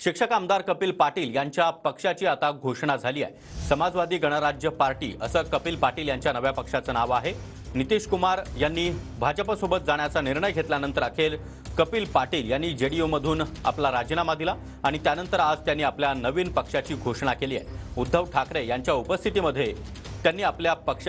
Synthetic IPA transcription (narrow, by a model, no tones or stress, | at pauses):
ɕikʂəkamd̪aɾkəpiːlpaʈiːljaɲt͡ɕjapəkʂat͡ɕiːat̪aɡʱoʂɳad͡zʱaliːa̰j | səmad͡zʋad̪ʱiːɡəɽ̃əɾad͡ʑjəpaɾʈḭːʔəsəːkəpiːlpaʈiːljaɲt͡ɕjanəʋjapəkʂat͡sənaʋaɦe | nit̪iɕkumaɾjanːiːbʱad͡ʑəpəsobət̪̚d͡zaɳjat͡saniɾɳəjɡʱet̪ljanənt̪əɾakʰeɾ | kəpiːlpaɾʈiːljanːiːd͡ʑeɽijoməd̪ʱuːna̰plaɾad͡ʑənamad̪ila | aɽ̃it̪janənt̪əɾad͡zt̪janːiːapljanəʋiːnpəkʂat͡ɕiːɡʱoʂɳ̃akeliːa̰jud̪ʱːəʋʈʰakɾejaɲt͡ɕjaupəst̪ʰit̪iməd̪ʱːje | t̪janːiːapljapəkʂ